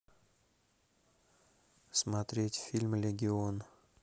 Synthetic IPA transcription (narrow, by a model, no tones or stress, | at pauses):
smɐt̪ɾʲetʲfʲilʲmlʲɪɡʲɪo̞n